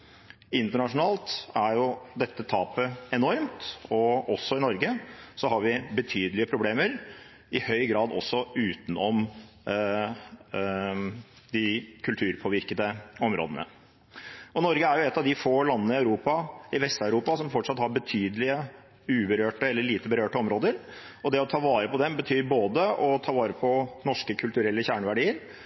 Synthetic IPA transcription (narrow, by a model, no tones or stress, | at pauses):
ɪnt̪əɳɑʂʊnɑːlt̪æɾjʊd̪ɛt̪ːət̪ʰɑːpəɛnɔɾmt̪ɔʔɔsːɔɪnɔɾɡəsɔhɑɾʋɪbət̪ʰyːd̪əlɪəpʰɾʊbleːməɾ | ɪhœʏɡɾɑːd̪ɔsːɔʉːt̪n̩ɔm | d̪ɪkʰʉlt̪ʰʉːɾpʰoːʋɪɾkəd̪əɔmɾo̰ːd̪ənə̰ | ɔnɔɾɡəæɾjʊɛt̪ːɑʋd̪ɪfoːlɑnːənəɪɑʉɾuːpɑɪʋɛst̪ɑʉɾuːpɑsɔmfɔʈʂɑt̪hɑɾbət̪ʰyːd̪əlɪə | ʉːbəɾøːʈəɛlːəɭiːt̪əbəɾøːʈəɔmɾoːd̪əɾ | ɔd̪ɛɔt̪ʰɑːʋɑːɾəpɔd̪ɛmbət̪ʰyːɾboːd̪əɔt̪ʰɑːʋɑːɾəpʰɔnɔʂkəkʰʉlt̪ʉɾɛlːəçæːɳəʋæɖiːəɾ